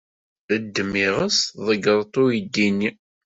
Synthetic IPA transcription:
ðəd̪ːəmːiʁəsðˤəɡəɾˤt̪ˤʊjid̪ːinːi

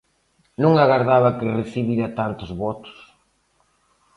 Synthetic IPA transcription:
nũŋaɣaɾðaβɐkɪreθiβiɾɐt̪ant̪ʊzβɔt̪ʊ̥s

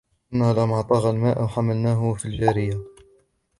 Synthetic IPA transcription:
nːhlamɑʕt̪ˤɑɣɑlmaːʔwħamːəlnæːɦʊfild͡ʒæɾɪjːa

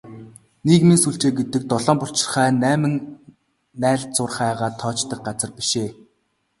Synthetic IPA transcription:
nekminsuɬt͡ɕeːɡet̪ɘ̆k̚t̪ɔɮɔːmpʊɬt͡ɕɪ̥̆rχæːnæːmɘ̆ŋ | næːɮt͡sʊrχæːʁaːt̪ʰːɔːt͡ɕt̪ə̆k̚ɢat͡sə̆rpi̥ʃeː

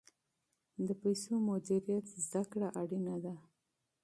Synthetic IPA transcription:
d̪əpajsomʊd̪iɾijat̪zd̪akɽaʔaɽinad̪a

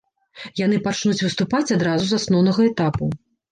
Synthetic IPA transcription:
janɨpat͡ʂnut͡sʲvɨst̪upat͡sʲad̪ɾazuzasnɔwnɐɣɐɛt̪apu

